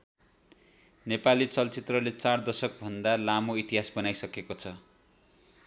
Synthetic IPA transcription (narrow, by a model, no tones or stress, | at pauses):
nepalit͡sʌlt͡sit̪rʌlet͡sard̪ʌsʌk̚bʱʌnd̪alamoit̪iɦasbʌnajsʌkekot͡sʰʌ